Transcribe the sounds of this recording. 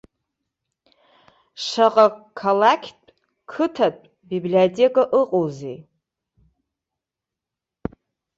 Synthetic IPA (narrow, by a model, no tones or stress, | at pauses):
ʂaqʼakʰalakʲʰtʼ | kʰɨtʰatʼ | bibliotʰʼekʼaʔɨqʼowzḛ